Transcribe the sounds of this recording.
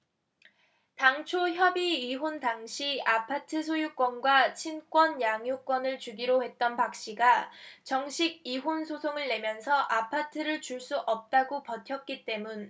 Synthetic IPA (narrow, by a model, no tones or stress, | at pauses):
taŋt͡ɕʰoçjʌbiiɦontaŋɕʰiapʰatʰɯsʰojuk͈wʌnɡwat͡ɕʰink͈wʌnjaŋjuk͈wʌnɯɭt͡ɕuɡiɾohe̞t̚t͈ʌnpak̚ɕ͈iɡat͡ɕʌŋɕʰiɡ̚iɦonsʰosʰoŋɯɭːe̞mjʌnsʰʌʔapʰatʰɯɾɯɭt͡ɕuɭs͈uʔʌp̚t͈aɡopʌtʰjʌk̚k͈it͈e̞mun